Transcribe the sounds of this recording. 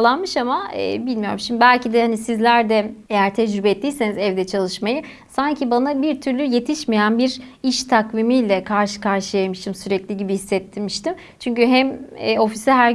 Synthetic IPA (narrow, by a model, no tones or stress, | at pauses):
lˠanmɯʃamaɛ̰ːbilʲmijo̞ɾumʃimbd̪ibælʲcid̪ɛhanisizlʲæɾd̪ɛejæɾt̪ʰɛd͡ʒɾybɛːt̪ːijse̞nizɛvd̪ɛt͡ʃʰalˠɯʃmajɯ | saɲcʰibanabiɾt̪ʰyɾlʲyje̞t̪ʰiʃmejænbiɾiʃt̪ʰakvimijlʲɛkʰaɾʃɯ̥kʰaɾʃɯjajmɯʃt̪ɯmsyɾɛclʲiɟibihisːɛt̪ʰːimiʃt̪ʰim | t͡ʃʰyɲcyɦɛmɛːo̞fisiɦæɾ